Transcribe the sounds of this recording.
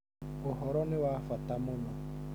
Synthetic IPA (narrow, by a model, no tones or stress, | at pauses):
oɦɔɾɔnɪwafatamɔnɔ